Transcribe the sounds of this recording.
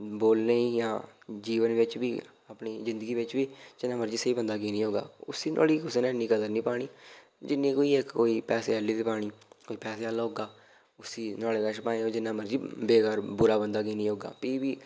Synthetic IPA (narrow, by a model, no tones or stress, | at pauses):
boːlneːiːjãːd͡ʒiːʋənʋɪt͡ʃbiː | aːpniːzɪ̃nd̪əɡiːʋɪt͡ʃbiːd͡ʒɪnãːməɾd͡ʒiːsəiːbənd̪aːkiːnĩːɦoːɡa̰ːʊsiːnʔo̰ːliːkʊseneːnːĩːkəd̪əɾnĩːpaːɽ̃iː | d͡ʒɪnːĩːkoːiːekkoːiːpɛːseːəliːt̪eːpaːɽ̃iːkoːiːpɛːseːɦəlaːɦoːɡaː | ʊsiːnɔːleːkəʃpaːẽõːd͡ʒɪnːãːməɾd͡ʒiːbeːkəɾbʊɾaːbənd̪aːkiːnĩːɦoːɡa̰ːpiːbiː